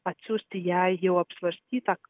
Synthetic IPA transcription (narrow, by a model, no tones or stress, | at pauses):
at͡sust̪ijajɦewapsvərst̪ʲit̪ak